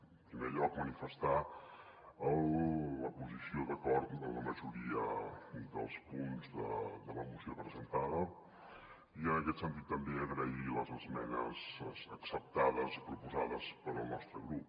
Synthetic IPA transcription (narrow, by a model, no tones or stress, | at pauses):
pɾimeɾʎɔkmənifəst̪a | əlːəpuzisioðəkɔɾt̪d̪ələməʒuɾiəd̪ə̰lˠspunzðə̰d̪ələmusiopɾəzənt̪aðə | iənəkɛt̪sənt̪it̪ːəmbeəɣɾəiləzəzmɛnə̰zzəksəp̚t̪aðəzipɾupuzaðəspəɾəlˠnɔst̪ɾəɣɾup̚